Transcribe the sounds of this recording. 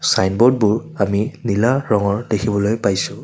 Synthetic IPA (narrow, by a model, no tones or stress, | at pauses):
sajnbɔd̚bʊɹaminilaɹɔŋɔɹdekʰibɔlojpajsʊ